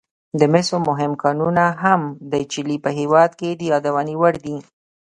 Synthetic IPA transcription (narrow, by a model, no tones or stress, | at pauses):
d̪əmɪsomʊɦɪmkɑnunaɦamd̪ət͡ʃɪlipəɦewɑd̪ked̪əjɑd̪awɑniwəɽd̪i